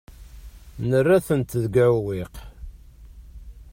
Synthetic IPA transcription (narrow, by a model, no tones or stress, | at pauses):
nərːæθənt̪ðɡæwwiq